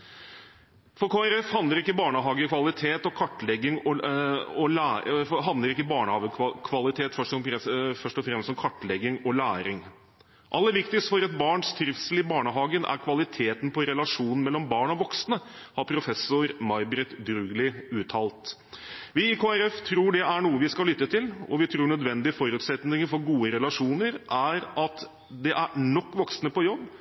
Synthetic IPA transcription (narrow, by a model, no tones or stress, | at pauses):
fɔɾkʰoːæɾɛfhɑnd̪ləɾɪkːəbɑːɳəɦɑːɡəkʰʋɑlɪt̪ʰeːt̪ɔkʰɑʈːlɛɡːɪŋɔɔlæɦɑnd̪ləɾɪkːəbɑːɳəhɑːʋəkʰʋɑlɪt̪ʰeːt̪fœʂʈɔɾɛfœʂʈɔfɾɛmst̪ɔmkʰɑʈːlɛɡɪŋɔlæːɾɪŋ | ʔɑlːəʋɪkt̪ɪst̪fɔɾɑt̪̚bɑːɳst̪ʰɾɪfsəlɪbɑːɳəɦɑːɡənæ̰ɾkʰʋɑlɪt̪ʰeːt̪n̩pʰɔɾɛlɑʂuːnn̩mɛlːɔmbɑːɳɔʋɔksnə | hɑɾpʰɾʊfɛsːʊɾmɑɪbɾɛt̪d̪ɾʉːɡlɪʉːt̪ʰɑːlt̪ | ʋɪɪkʰoːæɾɛft̪ʰɾuːɖɛʔæɳuːəʋɪskɑlːʏt̪ːət̪ʰɪlɔ̰ʋɪt̪ʰɾuːɳœd̪ʋɛnd̪ɪəfɔɾʉːt̪sɛt̪nɪŋəfɔɾɡuːəɾɛlɑʂuːnəɾʔæɾɑt̪ | d̪ɛʔæɾɳɔkːʋɔksnəpɔjɔbː